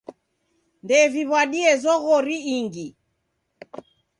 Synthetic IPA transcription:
ndɛviβwaɗiɛzɔɣɔɾiːŋɡi

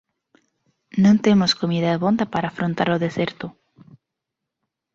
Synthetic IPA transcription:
nõnt̪emoskomiðaðeβo̞nd̪apaɾaːfɾont̪a̰ɾoðese̞ɾt̪o

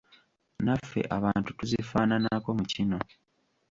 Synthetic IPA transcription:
nafːe̞̰ʔaβaːntu̥tuzifaːnanako̞mucino̞

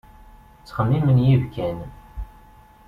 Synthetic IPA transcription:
t͡sːχəmːimənjivkæn

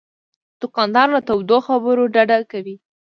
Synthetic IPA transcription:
d̪̥ʊqɑnd̪ɑɾlat̪awd̪oxabəɾoɖaɖakawi

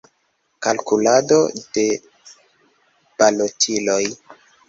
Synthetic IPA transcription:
kalkulado̞̰d̥e̞ | b̥alotʰilo̞j

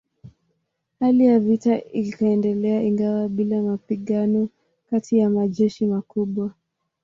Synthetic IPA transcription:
halijavitaikaɛndɛlɛaiŋɡawaɓilamapiɠanɔ | katijamaʄɛʃimakuɓwa

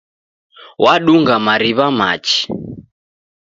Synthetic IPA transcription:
wʔaɗuŋɡamaɾiβama̰t͡ʃi̥

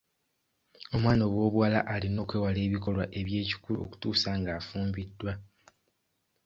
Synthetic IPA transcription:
o̞mwaːno̞βwo̞ːβuwalaʔalino̞ːkwe̞ːwale̞ːβiko̞lwaʔe̞βje̞ːci̥kuluo̰ku̥tuːsaŋɡaːfuːmbidːwa

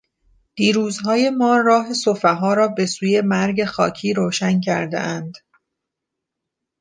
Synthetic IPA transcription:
d̪̥iːɾuːzɦɒːje̞mɒːɾɒːɦe̞sofeɦɒːɾɒːbe̞suːje̞mæɾɟe̞xɒːcʰiːɾoːʃæncʰæɾd̪ḛʔænd̪̥

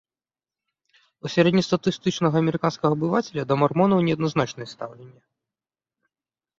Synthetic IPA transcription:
usʲaɾɛd̪ʲnʲist̪ɐt̪ɨst̪ɨt͡ʂnɐɣɐɐmʲɛɾɨkanskɐɣɐːbɨvat͡sʲɛlʲɐd̪ɐmarmɔnɐwnʲɛɐd̪nɐznat͡ʂnɨjɛst̪awlʲɛnʲːɐ

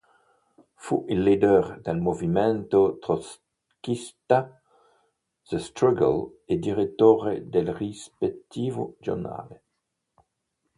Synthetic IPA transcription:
fṵʔilːid̪ɛʁd̪elmovimɛnt̪ot̪ʁos | kist̪a | z̥əst̪ɾaɡa̰l | ed̪iʁet̪oʁed̪elrispek̚t̪iːvod͡ʒo̰na̰le

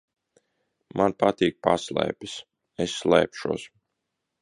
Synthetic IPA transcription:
mʔanpat̪iːk̚paslˠɛ̰ːpʲis | esːlˠɛ̰ːpʃuɔs

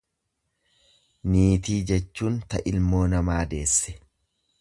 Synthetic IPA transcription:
niːt̪iːd͡ʒɛt͡ʃːuːnt̪ɐʔɪlmo̞ːnɐmaːd̪e̞ːsːɛ̥

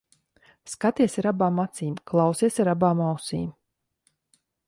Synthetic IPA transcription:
skat̪iɛsaɾabaːmat̪siːmklˠawsiɛsaɾabaːmawsḭːm

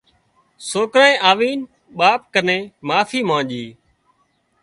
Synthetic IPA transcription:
soːkɾaːẽːʔaːʋiːn | ɓaːp̚kənẽːmaːfʰiːmãːʄiː

